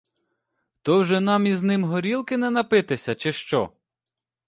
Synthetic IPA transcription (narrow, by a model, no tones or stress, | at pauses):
t̪ɔwʒɛnɑmiznɪmɦɔɾʲilˠkɪnɛnɐpɪt̪ɪsʲɐt͡ʃɪʃt͡ʃɔ̰